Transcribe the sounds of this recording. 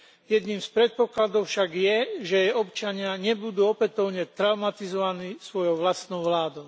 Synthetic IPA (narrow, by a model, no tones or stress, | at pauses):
jɛd̪niːmspɾɛt̪̚pɔklad̪ɔʊfʃaɡjɛʒɛɛɔpt͡ʃaɲɪaɲɛbud̪uːɔpɛt̪ɔʊɲɛt̪ɾaʊmat̪izɔʋaniːsʋɔjɔʊʋlast̪nɔʊʋlaːd̪ɔʊ